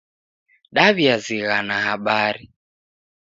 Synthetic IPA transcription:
ɗaβjaziɣanahaɓaɾi

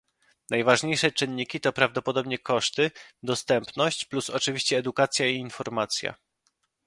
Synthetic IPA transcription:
najvaʐɲejʂɛt͡ʂɘnːikʲit̪ɔpɾavd̪ɔpɔd̪ɔbɲɛkɔʂt̪ɘd̪ɔst̪ɛmpnɔɕt͡ɕplusɔt͡ʂɘvʲiɕt͡ɕɛːd̪ukat̪sʲjaiːnfɔɾmat̪sʲja̰

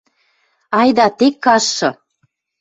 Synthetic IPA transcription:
ɑjd̪ɑt̪ekːɑʃːɤ̆

